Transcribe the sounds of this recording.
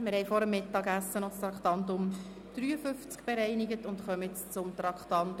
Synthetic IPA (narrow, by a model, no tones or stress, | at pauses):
mɪɾhɛɪfɔɾəmːɪtːɑːɡæsːənɔst̪ɾɑkχtɑntʊm | d̥ɾyːəfʏft͡skb̥eɾɛɪniɡətʊntχœməɪt͡st͡sʊmt̪ɾɑkχtɑnt